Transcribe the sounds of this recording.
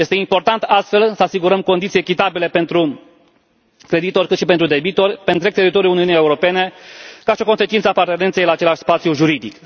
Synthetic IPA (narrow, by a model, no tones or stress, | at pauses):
jest̪eimpo̞rt̪ant̪ast̪fe̞lsəasiɡuɾəmko̞nd̪it̪sjekʲit̪abile̞pe̞nt̪ɾu | kɾe̞d̪it̪o̞rʲkɨt̪ʃipent̪ɾud̪e̞bit̪o̞rʲpent̪ɾek̚t̪e̞ɾit̪o̞ɾjuluniunjeuɾo̞pe̞ne̞kaʃio̞ko̞nse̞t͡ʃint̪səapart̪e̞ne̞nt̪se̞jlaːt͡ʃe̞laʃʲspat̪sjuʒuɾid̪ik